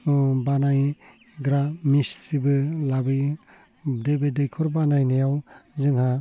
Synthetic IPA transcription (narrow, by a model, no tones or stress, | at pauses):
banaj | ɡɾamistʰɾibɯlabɯj | debedɯjkʰɔɾbanajnajawzɯŋha